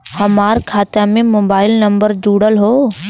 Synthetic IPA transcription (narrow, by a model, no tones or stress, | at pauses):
hɐmaːɾkʰaːt̪amẽmoːbaːɪlnɐ̃mbəɾd͡ʒuːɽəlɦoː